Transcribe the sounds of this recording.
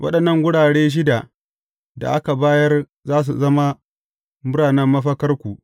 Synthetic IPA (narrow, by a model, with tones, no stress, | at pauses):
wʔɐ̰˦ɗɐ˨nːɐ˦˨ŋɡʷʊ˦ɽaː˨ɽeː˦ʃ̬ɪ˦da˨ | da̰˨ʔa˦ka˨baː˦jɐ˦r | zaː˦s̬u˨zɐ˦ma˦ | mʊ˦ɽaː˨nɐ˦mːɐ˦ɸɐ˦kɐ˦rkʷu˨ʔ